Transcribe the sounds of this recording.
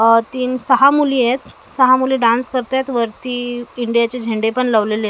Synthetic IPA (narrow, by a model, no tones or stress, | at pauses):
t̪iːnsəɦamulĩjet̪səɦamuliːɖãnskəɾt̪jet̪ʋəɾt̪iːiɳɖijat͡ɕed͡ʑʱeɳɖepəɳləʋlele